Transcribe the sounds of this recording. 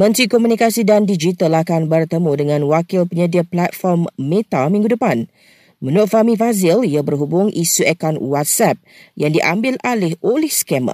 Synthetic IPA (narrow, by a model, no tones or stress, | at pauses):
mə̃nt̪ɾikɔmũnikasidandid͡ʒit̪alakanbərt̪əmudəŋãnwakɪlpəɲədiəplat̪̚fɔrmːẽt̪amĩŋɡudəpan | mənʊʔfamĩfazɪliabərɦubʊŋʔisuɛkɔnwat̪̚sɛp̚jaŋdiʔambɪlalɛholɛhsə̥kɛmə̰̃